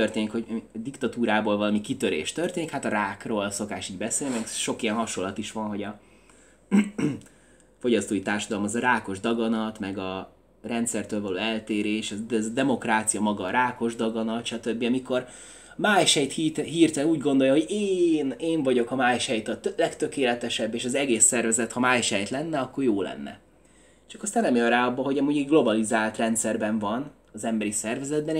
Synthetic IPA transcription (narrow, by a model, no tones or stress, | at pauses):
ørt̪eːnikho̞d̪ikt̪ɒt̪uːɾaːboːlvɒlɒmikit̪ø̞ɾḛːʃt̪ørt̪eːnikhat̪ɒɾaːkroːlso̞kaːʃiːɟbɛseːlimɛɡʃo̞kijɛnɦɒʃo̞lːɒt̪iʃʋɒnɦo̞ɟɒ | fo̞ɟɒst̪oːjit̪aːrʃɒd̪ɒlomɒzɒɾaːko̞ʒd̪ɒɡɒnɒt̪mɛɡɒ | rɛnt̪sɛrt̪øːlvɒlo̰ːɛlt̪eːɾeːʃɛzd̪ɛzd̪ɛmo̞kraːt̪sijɒmɒɡɒːɾaːko̞ʒd̪ɒɡɒnɒt̪ʃɒt̪øbːiɒmiko̞r | maːjʃhɛjt̪hiɦiːrt̪ɛnuːɟɡo̞nd̪o̞jɒɦo̞ɟeːneːɱvɒɟo̞kɒmaːjʃhɛjt̪ɒlɛkt̪ø̞keːlɛt̪ɛʃɛbːeːʃɒzɛɡeːsːɛrvɛzɛt̪hɒmaːjʃɛjt̪lɛnːɛɒkːo̞rjoːlɛ̰nːɛ̰ | t͡ʃɒkɒst̪aːnːɛmjøraːɒbːɒɦo̞ɟɒmuːɟɛɟɡlo̞bɒlizaːlt̪rɛnt̪sɛrbɛɱvɒn | ɒzɛmbɛɾisɛrvɛzɛd̪̚bɛn